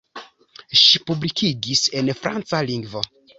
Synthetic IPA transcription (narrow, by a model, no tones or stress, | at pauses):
ʃipublikʰiɡise̞nfɾant͡saliŋɡvo̞